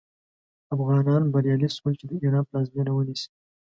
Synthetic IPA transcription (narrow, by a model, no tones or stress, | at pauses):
afɣɑnɑnbaɾjɑlisolt͡ʃed̪əeɾɑplɑzminawənisi̥